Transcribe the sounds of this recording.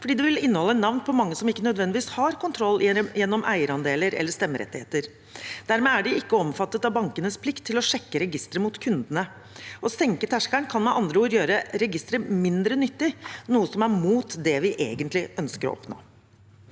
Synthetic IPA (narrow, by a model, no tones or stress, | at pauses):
fɔɖiːd̪ɛʋɪlɪnːəhɔlːəɛt̪nɑʋnpʰɔmɑŋːəsɔmɪkːənœd̪ʋɛnd̪ɪʋiːshɑɾkʊnt̪ʰɾɔlːjɛnːɔmʔæ̰ɪəɾɑnd̪eːləɾɛ̰lːəʂt̪ɛmːəɾɛ̰t̪ːɪhḛːt̪əɾ | d̪̥æɾmeːæɖɪɪkːəɔmfɑt̪ːət̪ɑʋbɑŋkənəspʰlɪkt̪ʰːɪlɔʂɛkːəɾɛɡɪst̪ɾəmut̪kʰʉnd̪ənə | ɔsɛŋkət̪ʰæʂkæɳkʰɑnmɛʔɑnd̪ɾəuːɾjøːɾəɾɛɡɪst̪ɾəmɪnd̪ɾənʏt̪ːɪnuːəsɔmæɾmuːt̪d̪ɛʋɪʔḛːɡənt̪lɪʔœnskəɾɔ̰ʔɔ̰pno̰ː